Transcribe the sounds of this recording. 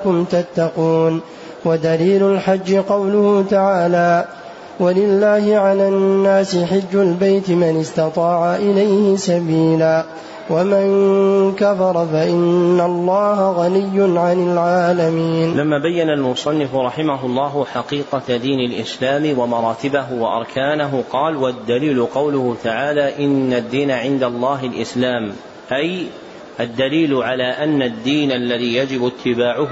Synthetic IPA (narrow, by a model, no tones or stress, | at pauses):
kʊmt̪at̪ːɑquːn | wad̪aliːlʊlħad͡ʒːɪqɑwlʊhʊt̪aʕaːlaː | walɪlːaːhɪʕalaːnːaːsɪħɪd͡ʒːaʊlbajt̪ɪmanɪst̪ɑt̪ˤɑːʕaʔɪlajhɪsabiːlaː | wamaŋkafɑɾˤɑfaʔɪnːalˤːɑːɦaɣɑlɪjːʊnʕanɪlʕaːlamiːnlamːaːbajːanalmʊsˤɑnːɪfʊɾˤɑħɪmaɦʊlˤːɑːɦʊħɑqiːqɑd̪iːnalʔɪ̰slaːmɪwamɑɾˤɑːt̪ɪbaɦʊwaʔɑ̰ɾˤkʰaːnaɦʊqɑːlwad̪ːaliːlʊqɑwlʊht̪aʕaːlaːʔɪnːad̪ːiːnaʕɪnd̪alˤːɑːɦɪlʔɪslaːm | ʔaj | ʔad̪ːaliːlʊʕalaːʔanːad̪ːiːnʔalːaðiːjad͡ʒɪbʊt̪ʰːɪbaːʕʊ